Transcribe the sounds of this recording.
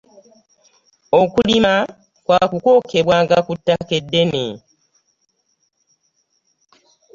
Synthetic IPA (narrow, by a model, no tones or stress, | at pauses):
okulima | kwaːkuko̞kʰe̞βwaːŋɡakutːake̞dːe̞nḛ